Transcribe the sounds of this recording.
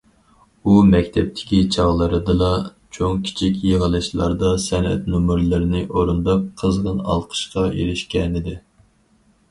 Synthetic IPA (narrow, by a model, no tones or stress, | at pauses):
umɛkʲt̪ʰɛp̚t̪ʰɪ̥kʲit͡ʃʰɑʁlˠəɾɨd̪ɨlˠɑ | t͡ʃʰoŋkʲʰi̥t͡ʃʰikʲjeʁəlˠɨʃlˠɑ̰ɾd̪ɑsɛnɛ̰t̪numɨɾlˠɨɾɪnɨʔoɾund̪ɑpqʰːəzʁənɑ̰lˠqʰə̥ʃqɑjḛɾɪʃkʲɛnɪd̪ɪ